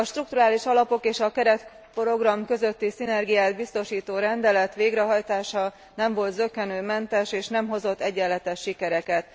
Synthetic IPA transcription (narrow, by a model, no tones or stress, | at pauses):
ɒʃt̪ruk̚t̪uɾaːliʃɒlɒpo̞keːʃɒkɛɾɛt̪ | pro̞ɡrɒmkø̞zø̞t̪ːisinɛrɡijaːd̪̚bist̪o̞ʃiːt̪oːɾɛnd̪ɛlɛt̪ʋeːɡɾɛɦɒjt̪aːʃɒ | nɛɱvo̞lt̪zø̞kːɛnøːmɛnt̪ɛʃeːʃnɛmɦo̞zo̞t̪ːɛɟːɛlːɛt̪ɛʃːikɛɾɛkɛt̪